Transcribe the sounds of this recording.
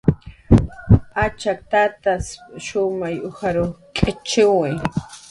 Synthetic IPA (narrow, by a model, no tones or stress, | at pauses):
at͡ʃak̚t̪at̪asʃʊmajʊhaɾokʼɪt͡ʃɪwɪ